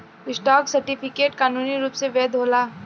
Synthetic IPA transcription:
ɪsʈɔːksɐɾʈipʰɪkeːʈkaːnuːniɾuːpseʋɛːd̪ɦoːlaː

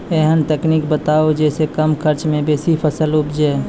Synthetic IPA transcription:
ɛɦənt̪eːknikbət̪aːod͡ʒɛːsekəmkʰəɾt͡ʃmẽbeːsipʰəsəlʊpd͡ʒeː

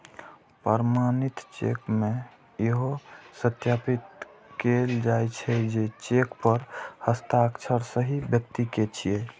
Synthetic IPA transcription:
pəɾmanit̪t͡ʃḛkmẽ | jeɦosət̪japit̪keld͡ʒajt͡ʃʰɛd͡ʒet͡ʃekpəɾhəst̪aəkt͡ʃʰəɾsəɦibjəkt̪iket͡ʃʰije

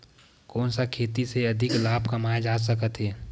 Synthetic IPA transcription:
kɔːnsakʰeːt̪iseɐd̪ʱɪklaːbkɐmaːad͡ʒaːs̬əkət̪ɦɛː

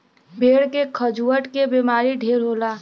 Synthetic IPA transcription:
bʱeːɽkekʰəd͡ʒuːəʈkebiːmaːɾiɖʱeːɾɦoːlaː

